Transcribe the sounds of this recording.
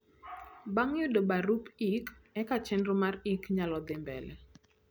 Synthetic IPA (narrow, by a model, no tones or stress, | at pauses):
baŋjʊdobaɾupikɛkat͡ʃɛndɾomarikɲalɔd̪ɪmbɛ̰lɛ